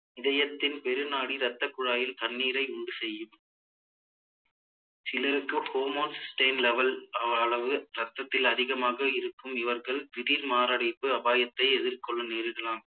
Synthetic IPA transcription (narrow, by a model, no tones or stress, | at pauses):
ɪðɐjɐt̪ːɪnpɛɾɯnaːɽiɾɐt̪ːɐkːʊɻaːjɪlt̪ɐnːiːɾɐɪʊɳɖɯsɛjːɯm | sɪlɐɾɯkːɯhoːmoːssʈɐɪnlɛʋɐlɐɐɭɐʋɯɾɐt̪ːɐt̪ːɪlɐðɪɣɐmaːɣɐɪɾɯkːɯmɪʋɐɾɣɐɭʋɪɾiɾmaːɾaːɽɪpːɯɐbaːjɐt̪ːɐɪɛðɪɾkɔɭːɐneːɾɪɽɐlaːm